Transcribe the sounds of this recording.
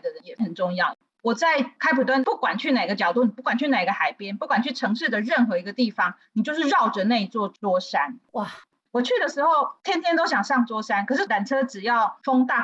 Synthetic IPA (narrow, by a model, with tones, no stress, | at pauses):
ə˧˦jɛ˨˩xə˨˩nʈ͡ʂʊ˥˧ŋjɑ˥˩ʊ | wɔ˨˩t͡sa˥˩ɪkʰa˥ɪpʰu˨˩t̪wa˥npu˥˩kwa˨˩nt͡ɕʰy˥˩na˨˩ɪi˧˦ɡə˧t͡ɕjɑ˨˩ʊt̪u˥˩n˩pu˥˩kwa˨˩nt͡ɕʰy˥˩na˨˩ɪi˧˥ɡə˧xa˨˩ɪpjɛ˥npu˥˩kwa˨˩nt͡ɕʰy˥˩ʈ͡ʂʰɤ˧˥ŋʂɻ̩˥˩d̪ə˩ɻə˥˩nxɤ˧˥i˧˥ɡə˧t̪i˥˩fɑ˦ŋni˨˩t͡ɕjo˥˧ʊʂ̬ɻ̩˥˧ɻɑ˥˩ʊʈ͡ʂə˨˩ne˥˧ɪ˧t͡swɔ˥˧t͡swɔ˥ʂa˦˥nwa˥˩ | wɔ˨˩t͡ɕʰy˥˩d̪ə˩ʂɻ̩˧˥xo˥˩ʊt̪ʰjɛ˥nt̪jɛ˥nt̪o˥ʊɕjɑ˨˩ŋʂɑ˥˩ŋt͡swɔ˥ʂa˥nkʰɤ˨˩ʂɻ̩˥˩la˨˩nʈ͡ʂʰɤ˥ʈ͡ʂɻ̩˨˩jɑ˥˩ʊfo˥ŋt̪a˥˩